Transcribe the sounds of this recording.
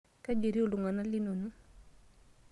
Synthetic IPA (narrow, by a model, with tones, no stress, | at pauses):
ka˦d͡ʒe˨ɾi˦o˦˨lu˨ŋa˨na˦li˦no˨nu˦